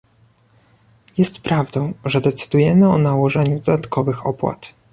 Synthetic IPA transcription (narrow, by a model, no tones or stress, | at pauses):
jɛst̪pɾavd̪ɔ̃w̃ʐɛd̪ɛt̪sɘ̥d̪ujɛmɘɔnawɔʐɛɲud̪ɔd̪at̪kɔvɘxɔ̰pwa̰t̪